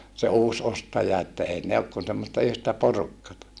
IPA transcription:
se uːs ostɑjɑ etːæ ei ne ok kun semːostɑ yhtæ porukːɑtɑ

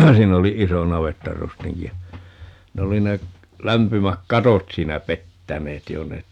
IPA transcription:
siːn oli iso nɑʋetːɑrustiŋki jɑ ne oli ne læmpymæk kɑtot siːnæ petːæneːt jo ne

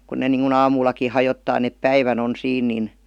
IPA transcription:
kun ne niŋkun ɑːmuːlːɑki hɑjotːɑː nep pæiʋæn on siːn nin

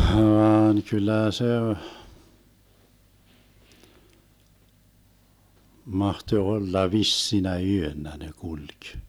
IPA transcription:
hʋɑːn kylˑæˑ se mɑhtoĭ olːɑ ʋisːinæ yønːæ ne kulʲk

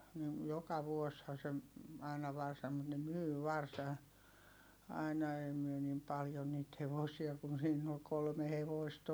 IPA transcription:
nin jokɑ ʋuoshɑ se ɑˑinɑ ʋɑrsɑm̆ mut ne myː ʋɑrsɑ ɑinɑ ei myø nim pɑljo niːt heʋosiɑ kun̞ siːnː ol kolme heʋoist

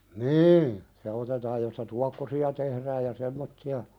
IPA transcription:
niːn se otetɑːj jostɑ tuɑkːosiɑ tehræːj jɑ semːotːiɑ

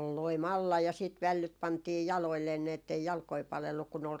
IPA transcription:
ol loim ɑlːɑ jɑ siːt ʋælːyt pɑntiː jɑloilːeːn ni etːei jɑlkoi pɑlelːuk kun ol

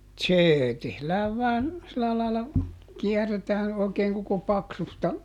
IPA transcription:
seː tehlæːʋ ʋɑːn silæ lɑilɑ kiɛrˑetæːn oˑi̯keːŋ koko pɑksustɑ

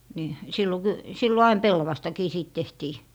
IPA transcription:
ni silːo ky silːo ɑin pelːɑʋɑstɑkiː siːt tehtiː

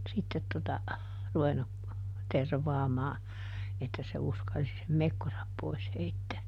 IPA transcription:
sitːet totɑ ruʋenːu terʋɑːmɑː etːæ se uskɑlsi sem mekːosɑp pois heitːæː

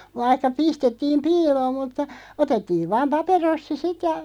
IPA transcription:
ʋɑihkɑ pistetːiːm piːloːm mutːɑ otetːiːʋ ʋɑːm pɑperosːi sit jɑ

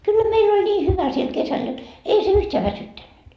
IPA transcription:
kylːæ meilː olʲ nʲiː hyʋæ siel kesæl jot ei se yhteæ ʋæsytːænːyt

